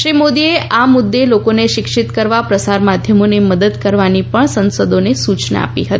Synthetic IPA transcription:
ʃɾimod̪ieʔamʊd̪ːelokoneʃɪkʃɪt̪kəɾʋapɾəsaɾmad̪ʱjəmoneməd̪əd̪kəɾʋanipəɳsənsəd̪onesut͡ʃna̰a̰pḭɦət̪ii

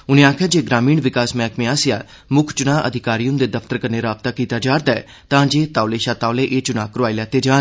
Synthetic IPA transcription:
ʊniãːkʰɛːd͡ʒeːɡɾaːmiːɳʋɪkaːsmɛ̃ːkmẽaːsja̰ː | mʊkʰt͡ʃʊnãːʔəd̪ʱɪkaːɾijʊnd̪eːd̪əfʰt̪əɾkəɾneɾaːb̚t̪aːkiːt̪aːd͡ʒaːɾd̪aɛ | t̪ãːd͡ʒeːt̪aːʊleːʃaːt̪aːʊleːʔeːt͡ʃʊnaːkəɾaːilɛːt̪eːd͡ʒaːn

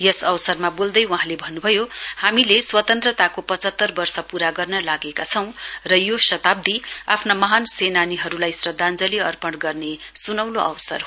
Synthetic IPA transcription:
jʌsʌwsʌrmabold̪ʌjwuɦãlebʱʌnːubʱʌjohamileswʌt̪ʌnt̪rʌt̪akopʌt͡sʌt̪ːʌrbʌrsʌpuɾaɡʌrnʌlaɡekat͡sʰʌw̃rʌjosʌt̪ab̚d̪iapʰnamʌɦansenaniɦʌɾulajsrʌd̪ʱand͡zʌliʌrpʌɽɡʌrnesunʌwloʔʌwsʌ̰r

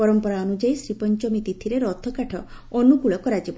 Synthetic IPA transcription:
ɔɾɔmpɔɾaɔnud͡ʒaisɾipɔnt͡ʃɔmit̪it̪ʰiɾeɾɔt̪ʰɔkaʈʰɔ | ɔnukuɭɔkɔɾad͡ʒib

